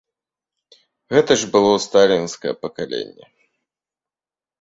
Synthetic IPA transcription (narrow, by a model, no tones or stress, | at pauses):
ɣɛt̪ɐʐbɨlˠɔst̪alʲinskɐjɛ̰pɐkalʲḛnʲːɛ̰